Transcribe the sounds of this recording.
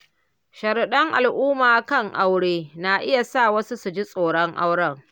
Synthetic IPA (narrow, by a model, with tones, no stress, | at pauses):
ʃɐ˨ɾɗɐ˦ŋʔa˨lʔuː˦maː˨kɐ˦˨ŋʔa˦wɽeː˦na˨ʔɪ˦ja˨sa˦˨wɐ˦su˦su˨d͡ʒi˦sʼoː˨ɽɔ˦ŋʔa˦wɽɐ˦ŋ